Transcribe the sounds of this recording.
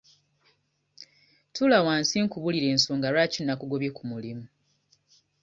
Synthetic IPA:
tulawaːnsiŋkuβuliɾe̞ːnsoːŋɡaɾwaːcinːakuɡo̞βje̞kumulimu

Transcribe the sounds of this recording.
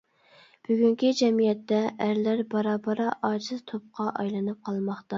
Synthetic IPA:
b̥yɡʲyŋkʲid͡ʒɛmijɛt̪ːɛʔːɾlæɾbɑɾɑːbɑɾɑʔɑːd͡ʒɨzt̪ʰop̚qʰɑʔɑ̰jlˠɨnɨp̚qʰɑlˠmɑχt̪ɑ

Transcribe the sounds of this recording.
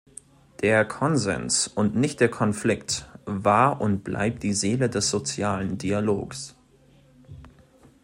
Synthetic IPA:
d̥eːɐkʰɔnzɛ̰nsʊntnɪçt̚d̥eːɐkʰɔnflɪktvaɐʔʊntb̥la̰ɪp̚t̚d̥iːzeːlədɛsz̥ot͡sjaːləndialoːks

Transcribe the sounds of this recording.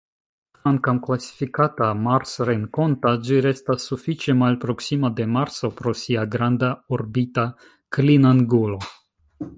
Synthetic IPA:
aŋkamklasi̥fikatamaɾsɾeŋko̞ntad͡ʒiɾe̞stasːufit͡ʃe̞malpɾo̞ksimade̞maɾso̞pɾo̞siaɡɾandaoɾbita | klinaŋɡulo̞

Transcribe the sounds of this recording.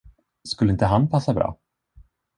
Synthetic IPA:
skɵlːəɪnt̪əɦanpʰasːabɾɑ̰ː

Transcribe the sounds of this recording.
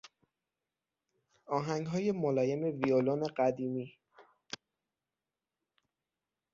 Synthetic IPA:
ɒːɦæŋɡɦɒːje̞molɒːje̞me̞violone̞ɢæd̪iːmiː

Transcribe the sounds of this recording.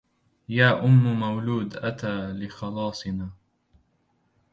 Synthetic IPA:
jaːʔʊmːmawluːd̪ʔat̪aːlɪxɑlɑːsˤɨnaː

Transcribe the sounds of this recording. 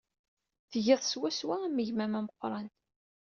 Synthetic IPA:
θʝɪðˤswæswæmːəʝmæmæməqːɾˤɑnt̪

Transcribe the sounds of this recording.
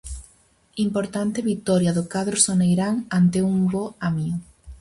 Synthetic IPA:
impoɾt̪ant̪eβit̪ɔɾjaðokaðɾosonejɾaŋant̪euŋboamiʊ

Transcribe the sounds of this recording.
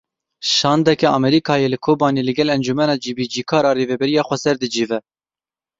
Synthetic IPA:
ʃɑːnd̪ɛkɛʔɑmɛɾiːkʰɑːjelɨkʰoːbɑːneːlɨɡɛlɛnd͡ʒumɛnɑːd͡ʒiːbiːd͡ʒiːkʰɑːɾɑːreːvɛbɛɾijɑːxʷɛsɛɾd̪ɨd͡ʒiːvɛ

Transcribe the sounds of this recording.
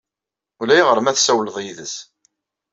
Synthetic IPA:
ulæjʁəɾmæθsæwləðˤjiðəθ

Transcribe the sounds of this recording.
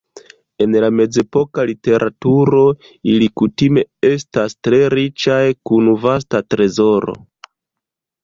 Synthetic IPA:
e̞nlame̞d͡ze̞po̞kalite̞ɾʔatuɾo̞ | ilikutime̞estastɾe̞ɾit͡ʃajkunvas̬tatɾe̞zo̞ɾo̞̰

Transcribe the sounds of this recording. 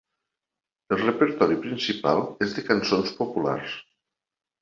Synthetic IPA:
əlˠrəpəɾt̪ɔɾipɾinsipa̰lˠezðəkansonspopula̰ɾs

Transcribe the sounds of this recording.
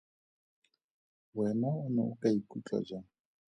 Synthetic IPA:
wɛnaʊnɛ̰ʊkʼaikʼut͡ɬʼa̰d͡ʒa

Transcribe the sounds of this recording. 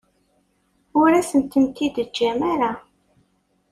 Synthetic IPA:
ʊɾæsənt̪ənt̪id̪əd͡ʒːæmaɾa

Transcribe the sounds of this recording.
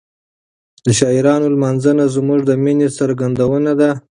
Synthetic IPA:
d̪əʃɑɪɾɑnolmanzənazmuʐd̪əminesaɾɡand̪awənad̪a

